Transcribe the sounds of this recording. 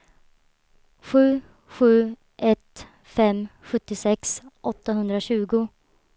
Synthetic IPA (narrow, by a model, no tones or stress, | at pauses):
ɧʉ̟ː | ɧʉ̟ː | ʔɛt̪ | fɛmɧɵt̪ːɪsɛksʔɔt̪ːaɦɵnd̪ɾaɕʉ̟ːɡʊ